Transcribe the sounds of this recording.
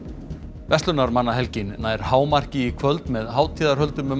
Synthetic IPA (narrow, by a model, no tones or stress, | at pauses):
vɛst̪ʏnaɾmanːaɦɛlcɪnːaːjɾ̥haːwmar̥cɪikʰvœlt̪mɛðɦaːwt̪ʰiːðaɾ̥hœlt̪ʏmʏ